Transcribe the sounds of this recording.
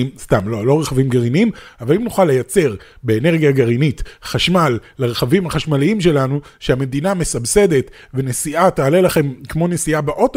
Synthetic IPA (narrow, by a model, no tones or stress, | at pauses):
mst̪amlolo̞ʁeχavimɡaʁiniimavalimnuχalːe̞jat͡se̞ʁ | be̞ːne̞ʁɡijaɡaʁinitχaʃmalːeʁeχavimhaχaʃmaliimʃe̞lanu | ʃeame̞d̪iname̞sabse̞d̪e̞t̪ | ve̞nesiʔataːle̞laχe̞mkmo̞nesiabeʔo̞t